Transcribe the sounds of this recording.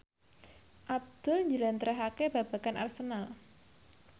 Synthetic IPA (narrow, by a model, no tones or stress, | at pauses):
ʔab̚d̪̥ʊ̤lɲd͡ʒəlant̪əɾaɦakeb̥a̤b̥a̤kanʔa̰rsənal